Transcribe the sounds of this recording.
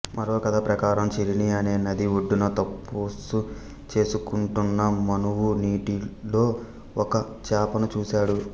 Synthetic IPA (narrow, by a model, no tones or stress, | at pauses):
mʔɐɾo̞ːkɐd̪apɾɐkaːɾɐmt͡ʃeɾiniɐne̞ːnɐd̪iʋoɖːunɐt̪ɐpːoːsu | t͡ʃe̞ːsukuɳʈunːɐmɐnuwuniːʈilo̞ː | ɔkɐ | t͡ʃaːpɐnɐt͡ʃuːsaːɽu